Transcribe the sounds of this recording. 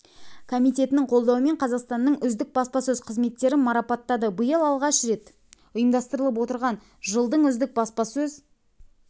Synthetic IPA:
kʰomijt̪ʲe̞t̪ɪnɪŋɴqʰo̞lˠd̪ɑwəme̞ɴqʰɑzɑqst̪ɑnːəɴʏzd̪ɪk̚bɑspɑsɵzqʰəzme̞t̪ːe̞ɾɪmɑɾɑpɑt̪ːɑd̪əbəjəlˠɑlˠʁɑʃɾe̞t̪ | ʊjəmd̪ɑst̪əɾəlˠəp̬wo̞t̪əɾʁɑn | ʒəlˠd̪əɴʏzd̪ɪk̚bɑspɑsɵz

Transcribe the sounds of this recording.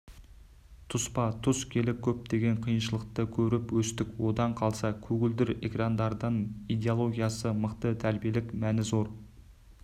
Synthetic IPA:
t̪ʰʊspɑt̪ʰʊskʲʰe̞lɪkʲʰɵp̚t̪e̞ɡʲe̞ɴqʰijənʃəlˠəq̚t̪əkʲʰɵɾɪpwɵst̪ɪkwo̞d̪ɑɴqʰɑlˠsɑkʲʰɵɡʲɪld̪ɪɾḛkrɑnd̪ɑɾd̪ɑnijd̪e̞olˠo̞ɡʲijɑsəməqt̪ət̪ʰæɾbije̞lɪkmænɪzo̞ɾ

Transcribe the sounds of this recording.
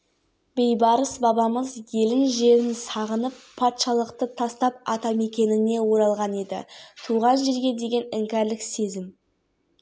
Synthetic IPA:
be̞jbɑɾəsbɑbɑməzje̞lɪnʒe̞ɾɪnsɑʁənəpʰːɑt̪ʃɑlˠəqt̪ət̪ʰɑst̪ɑp̚ɑt̪ɑme̞kʲe̞nɪne̞wo̞ɾɑlˠʁɑne̞d̪ɪ̰t̪ʰuʁɑnʒe̞ɾɡʲe̞d̪e̞ɡʲe̞nɪŋkʲæɾlɪkse̞zɪm

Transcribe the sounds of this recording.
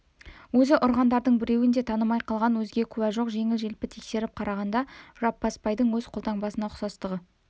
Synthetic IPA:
wɵzɪʔʊɾʁɑnd̪ɑɾd̪əɴbɪɾe̞wɪnd̪e̞t̪ʰɑnəmɑjqʰɑlˠʁɑnwɵzɡʲe̞kʲʰʊwæʒo̞qʒe̞ŋɪlʒe̞lpɪt̪ʰekse̞ɾɪp̚qʰɑɾɑʁɑnd̪ɑʒ̥ɑpːɑspɑjd̪əɴwɵzqʰolˠt̪ɑɴbɑsənɑχsɑst̪əʁə

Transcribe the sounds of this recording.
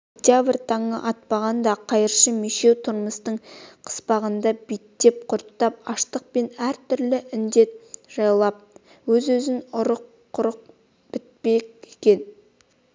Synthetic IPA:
okt̪javrʲt̪ʰɑɴəʔɑt̪̚pɑʁɑnd̪ɑqʰɑjəɾʃəmeʃe̞wt̪ʰʊɾməst̪əɴqʰə̥spɑʁənd̪ɑbet̪ːe̞p̚qʰʊɾt̪ːɑp̚ɑʃt̪əq̚pe̞næɾt̪ʰʏɾlɪʔɪnd̪e̞t̪̚ʒ̥ɑjlˠɑp̚ | wɵzwɵzɪnʊɾəqʰːʊɾəq̚ | b̥ɪt̪̚pekekʲe̞n

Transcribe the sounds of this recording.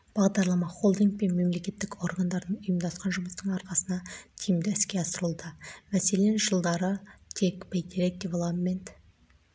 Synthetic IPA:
b̥ɑʁd̪ɑɾlˠɑmɑχo̞lˠd̪iŋk̚pe̞nme̞mle̞kʲe̞t̪ːɪko̞ɾɡand̪ɑɾnəɴʊjəmd̪ɑsqɑnʒʊməst̪əɴɑɾqɑsənɑt̪ʰijɪmd̪ɪɪskʲe̞ɑsəɾəlˠd̪əmæse̞le̞nʒəlˠd̪ɑɾət̪ʰe̞kbejd̪iɾek̚t̪ivlˠamːent̪

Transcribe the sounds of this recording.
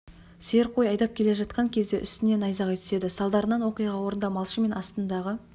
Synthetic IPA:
seɾqo̞jɑjd̪ɑp̚kʲʰe̞le̞ʒɑt̪̚qɑŋkʲʰe̞zd̪e̞ʔʏst̪ɪne̞nɑjzɑʁɑjt̪ʰʏse̞d̪ɪsɑlˠd̪ɑɾənɑnwo̞qijʁɑwo̞ɾənd̪ɑmɑlˠʃəme̞nɑst̪ənd̪ɑʁə

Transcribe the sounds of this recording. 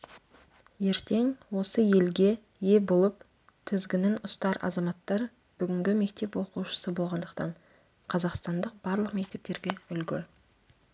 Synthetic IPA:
je̞ɾt̪e̞ŋwo̞səje̞lɡʲe̞ | je̞bolˠəp | t̪ʰɪzɡʲɪnɪnʊst̪ɑɾɑ̰zɑmɑt̪ːɑɾ | b̥ʏɡʲɪŋɡʲɪme̞k̚t̪e̞pwo̞quʃə̥səbo̞lˠʁɑnd̪əqt̪ɑɴ | qʰɑzɑqst̪ɑnd̪əq̚b̥ɑɾlˠəqme̞k̚t̪e̞p̚t̪e̞ɾɡʲe̞ʏlɡʲɪ

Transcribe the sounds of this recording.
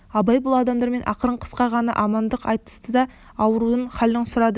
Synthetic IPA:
ɑbɑjbʊlˠɑd̪ɑmd̪ɑɾme̞nʔɑ̰qəɾəɴqʰə̥sqɑʁɑnɑ̰ʔɑmɑnd̪əqɑjt̪ə̥st̪əd̪ɑ | ɑwəɾuəɴχɑlɪɴsʊɾɑd̪ə

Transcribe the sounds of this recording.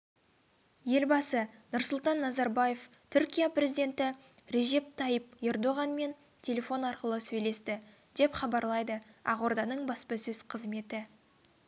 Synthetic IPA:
je̞lbɑsənʊɾsʊlˠt̪ɑnːɑzɑɾbaje̞ft̪ʰʏɾkʲijaprʲe̞zid̪ʲe̞nt̪ɪ | ɾe̞ʒe̞p̚t̪ʰɑjəp̚e̞rd̪o̞ʁɑnme̞n | t̪ʲʰe̞lʲe̞fo̞nɑɾqəlˠəsɵjle̞st̪ɪ | d̪̥e̞pχɑbɑɾlˠɑjd̪əɑ̰ʁo̞ɾd̪ɑnəɴbɑspəsɵz̥qʰəzme̞t̪ɪ

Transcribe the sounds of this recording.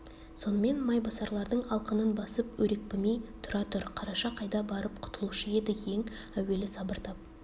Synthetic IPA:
so̞nəme̞nmɑjbɑsɑɾlˠɑɾd̪əɴɑlˠqənənbɑsəpwɵɾe̞k̚pɪmejt̪ʰʊɾɑt̪ʰʊɾqʰɑɾɑʃɑqʰɑjd̪ɑbɑɾəp̚qʰʊ̥t̪əlˠuʃəje̞d̪ɪe̞ŋ | æwe̞lɪsɑbəɾt̪ʰɑp̚

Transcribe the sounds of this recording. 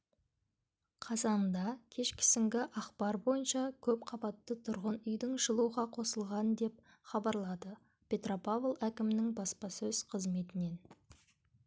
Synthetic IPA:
qʰɑzɑnd̪ɑkʲʰe̞ʃkʲʰɪ̥sɪŋɡʲɪʔɑqpɑɾbo̞jənʃɑkʲʰɵp̚qʰɑbɑt̪ːət̪ʰʊɾʁənʏjd̪ɪŋʒəlˠuʁɑqʰo̞səlˠʁɑnd̪e̞p̚ | χɑbɑɾlˠɑd̪ə | pʲʰe̞t̪ropavlˠækʲɪmɪnɪŋbɑspɑsɵz̥qʰəzme̞t̪ɪne̞n

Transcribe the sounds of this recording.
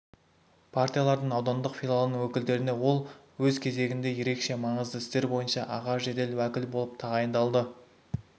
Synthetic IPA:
pʰart̪ʲijalˠɑɾd̪əɴɑwd̪ɑnd̪əqfʲilˠalˠənəɴwɵkʲɪld̪e̞ɾɪne̞wo̞lˠwɵzkʲʰe̞ze̞ɡʲɪnd̪e̞je̞ɾe̞kʃe̞mɑɴəzd̪əɪst̪e̞ɾbo̞jənʃɑʔɑʁɑʃʒed̪e̞lwækʲɪlbo̞lˠəp̚t̪ʰɑʁɑjənd̪ɑlˠd̪ə

